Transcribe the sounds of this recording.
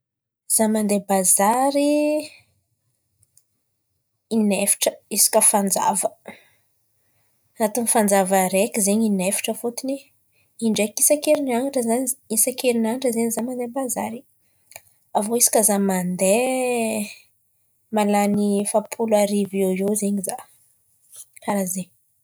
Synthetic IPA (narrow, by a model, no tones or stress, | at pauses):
z̥amand̪ebazaɾi | inefi̥ʈ͡ʂə̥isi̥kəfand͡za̰və | anat̪unifand͡zavəɾekizeɲinefi̥ʈ͡ʂəfut̪ini | iɳɖ͡ʐekisakeɾinaŋaʈ͡ʂəzaɲisakeɾinaŋaʈ͡ʂəzeɲizamand̪ebaza̰ɾi | avoisi̥kʲazamand̪e | malanifapʰulaɾiveezeɲiza | aɾaze